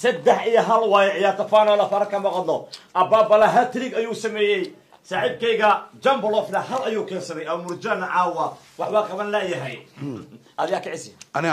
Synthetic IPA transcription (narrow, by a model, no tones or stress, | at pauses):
sɐd̪ɛħijɔɦɐlwaːjʕɪjaːɾt̪ʰɐfaːnɔːlɐfɐɾɐkʰɐmɐqɑd̪lɔʔɐbaːbɐlɐɦɐt̪ɾiɡɐjuːsɐmɛːjɛj | saːħiːb̚kɛjɣɐd͡ʒɐmbɐlɔfnɐhɐlɐjuːkʰɛːnsɐðɛjɐmʊrd͡ʒɐnɐʕɑːwɐwɑħbaqɐβɐnlɐjɐɦɛj | ʔɐðjaːkʰɐʕɪsjɐnɪ